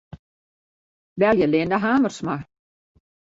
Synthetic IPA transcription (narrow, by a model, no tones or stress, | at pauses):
vɛljɛleːnaɦaːmər̥sma